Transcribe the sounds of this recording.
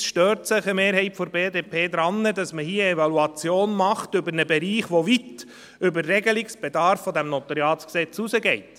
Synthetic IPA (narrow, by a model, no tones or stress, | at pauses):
sʃtøːɾtsɪχəmeːɾɦɛɪtfoɾbeːd̪eːpʰeːd̪ɾɑnːədɑsməhiːəɛvɑluɑt͡sjoːnmɑχtʏbəɾnəbɛɾiːχʋɔʋit | ʏbərːɛɡəliksb̥ed̪ɑɾfːɔd̪æmnɔt̪ɑɾjɑːtsksɛt͡susəɡɛɪt